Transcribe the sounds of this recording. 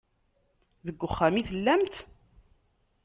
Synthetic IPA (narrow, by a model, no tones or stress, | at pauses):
ðəɡʷːʊχːæmiθəlːæmt̪